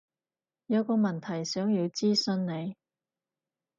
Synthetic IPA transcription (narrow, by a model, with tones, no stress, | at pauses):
jɐ˨˧wkɔː˧mɐ˨˩nt̪ʰɐ˨˩jsœː˨˥ŋjiː˨˧wt͡siː˥sɵ˧nne˨˧j